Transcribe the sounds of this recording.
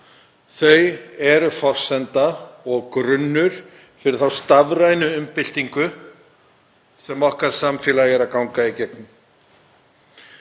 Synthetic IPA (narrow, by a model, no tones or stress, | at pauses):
θœɥjɛɾʏfɔr̥sɛnt̪aɔɣkɾʏnːʏɾ̥ | fɪɾɪɾθawst̪avɾajnʏʏmpɪl̥t̪iŋkʏ | sɛmɔhkaɾ̥samfjɛːlajɣɛɾaðkawŋkaicɛknʏm